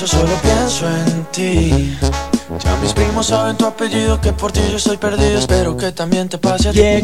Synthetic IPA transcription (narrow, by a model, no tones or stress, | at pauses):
osolopjensoent̪i | d͡ʒa̰mispɾimosːaβent̪uapeʎiðokepoɾt̪iʒoest̪o̞jpeɾðiðoespeɾoket̪ambjent̪epaseat̪